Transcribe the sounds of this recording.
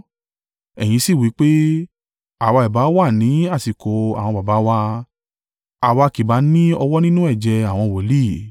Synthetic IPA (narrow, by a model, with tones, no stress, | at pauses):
ɛ˨j̃ĩ˨˧˦si˦˨wi˨˦k͡pe˦ | a˨wa˧i˨ba˨˦wa˦˨nĩ˨˦a˦˨si˨ko˨a˨w̃ɔ̃˧ba˨ba˨˦wa˦ | a˨wa˧ki˨ba˨˦nĩ˦ɔ˧wɔ˦nĩ˦nũ˦ɛ˦˨d͡ʒɛ˧a˨w̃ɔ̃˧wɔ˨li˦˨